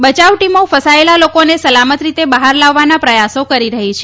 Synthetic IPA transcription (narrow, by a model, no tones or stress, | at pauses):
bət͡ʃaʋʈimofəsaelalokonesəlamət̪ɾit̪ebəɦaɾlaʋːanapɾəjasokəɾiɾəɦit͡ʃʰe